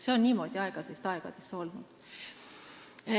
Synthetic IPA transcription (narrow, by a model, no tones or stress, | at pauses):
seonniːmo̞ːd̪̥ʲiɑeɡ̥ɑd̪̥e̞st̪ɑeɡ̥ɑ̰d̪̥eso̞lnud̪̥